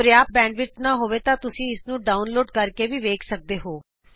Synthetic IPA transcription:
ɾjaːp̚bɛ̃ːɳɖʋɪt͡ʃnãːɦoːʋeːt̪ãːt̪ʊsĩːɪsnũːɖaːʊnloːɖkəɾkeːʋiːʋeːkʰsək̚d̪eːɦoː

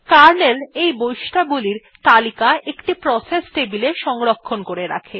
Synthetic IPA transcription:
kaɾnelejbojʃʈʰaɡuliɾ | t̪alikaekʈipɾɔsesʈebileʃɔŋɾokʰːonkoɾeɾa̰kʰe

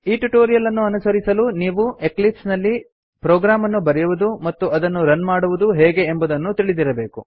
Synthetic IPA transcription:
iːʈuʈoːɾijɐlɐnːuɐnusɐɾisɐluniːʋue̞klipsnɐlːi | pɾoːɡɾaːmɐnːubɐɾɛjuʋud̪umɐt̪ːuɐd̪ɐnːuɾɐnmaːɽuʋud̪uɦɛːɡe̞ːmbud̪ɐnːut̪iɭid̪iɾɐbe̞ːku

